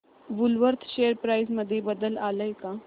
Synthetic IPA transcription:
ʋʊlʋəɾt̪ʰʃeːəɾpɾaːɪzmɐd̪ʱːjebɐd̪əlaːləjkaː

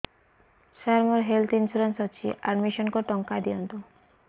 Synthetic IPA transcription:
ʃaɾmoɾɦelt̪insuɾansɔt͡ɕʰḭʔaɾmiʃɔnkoʈɔŋkad̪ijont̪o

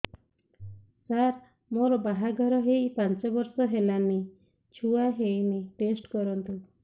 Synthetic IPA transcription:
saɾ | moɾɔbaɦaɡʱɔɾɔɦejpant͡ʃɔbɔɾsɔɦelame | t͡ʃʰuaɦejmeʈesʈkɔɾɔnt̪u

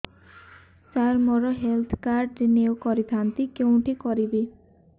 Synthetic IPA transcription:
t͡ʃaɾmɔɾɔɦelt̪ʰkaɾɖɾenewkɔɾit̪ʰant̪ikew̃ʈikɔɾibi

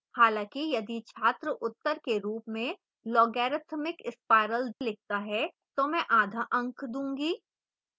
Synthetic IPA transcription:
haːlãːkijɐd̪it͡ʃʰaːt̪ɾəʔʊt̪ːəɾkeɾuːpmẽ | lɔːɡɛːɾət̪ʰmɪkɪspaːɪɾəld̪lɪk̚t̪aɦɛ | t̪omɛ̃ʔaːd̪ʱaʔɐ̃ŋkʰd̪ũːŋɡiː

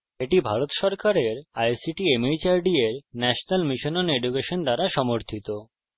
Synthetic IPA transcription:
eʈibʱaɾot̪ʃɔɾkaɾeɾajsiʈiemejt͡ɕaɾɖieɾnɛʃonalmiʃononeɖukeʃond̪aɾaʃɔmoɾt̪ʰit̪o

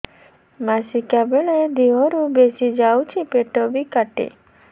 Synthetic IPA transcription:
masikabeɭed̪iɦɔɾubesid͡ʒawt͡ʃʰipeʈɔbikaʈḛ

